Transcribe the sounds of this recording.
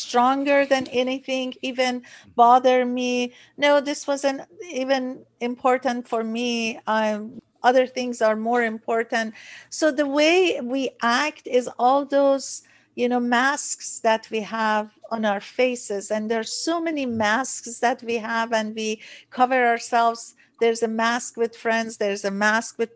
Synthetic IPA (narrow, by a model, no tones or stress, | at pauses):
stɹɔ̃ŋɡə˞ðæ̃nɛniθɪ̃ŋɡiːvɨ̃nbɑðə˞mi | noʊðɪswʌzɨ̃ntivɨ̃n | ɪ̃mpʰɔɹtə̃ntfɔɹmi | ʔʌðə˞θɪ̃ŋzɑɹmoɹɨ̃mpʰɔɹtə̃ntsoʊðəweɪwiʔæktɪzɔlˠðoz̥ | jɨnomæsksðæt̚ʰwihævə̃naəɹfeɪsɪzæ̃nðəsomɛnimæsksðæt̚wiɦævæ̃nwikʰʌvə˞aəɹsɛlvz̥ | ðəɹzəmæskwɨð̥fɹɛ̃ndzðəɹzəmæskwɨð